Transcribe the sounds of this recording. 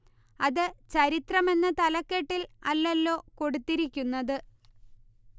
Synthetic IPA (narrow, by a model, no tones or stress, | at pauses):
ɐðɨt͡ɕɐɾit̪rɐme̞nːɐt̪ɐlɐkːeʈːilɐlːelːo̞ːko̞ɽut̪ːiɾikʲːunːɐðɨ